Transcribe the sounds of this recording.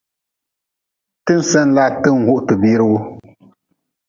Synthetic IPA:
tɨ˦n̩˦sɛ˦n̩˦la˦˨tɨ˦˨ŋ̩˨hu˦ʔtɨ˨biː˦ɾɨ˦wu˦

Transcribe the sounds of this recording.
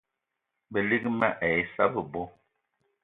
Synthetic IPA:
bə˨li˦kma˦ʔɛ˨jsa˦bə˨bɔ˦

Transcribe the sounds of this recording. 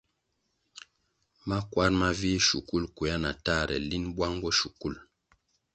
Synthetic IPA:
ma˦kwa˦ɾma˦vi˦ʃu˨ku˦˨lku˨a˦na̰˨ta˦˨ɾɛ̰˨li˦nbwa˦ŋɡɔ˦ʃu˨ku˦˨l

